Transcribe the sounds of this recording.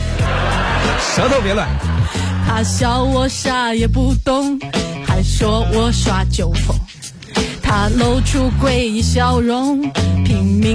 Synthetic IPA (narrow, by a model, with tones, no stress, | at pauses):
ʂɤ˧˥t̪o˥˧pjɛ˥lwa˨˩˦nt̪ʰa˥ɕjɑ˧˥ʊwɔ˧˥ɕja˥˧jɛ˨˩pu˥˧˩t̪ʊ˥ŋxa˧˥ɪʂwɔ˥wɔ˧˩ʂwa˧˥t͡ɕjo˨˩ʊfo˨˩˦ | t̪ʰa˥lo˥ʊʈ͡ʂʰu˥kwe˥˩ɪi˧˩ɕjɑ˧˥ʊɻʊ˧˥ŋpʰi˨˩ŋmi˧˥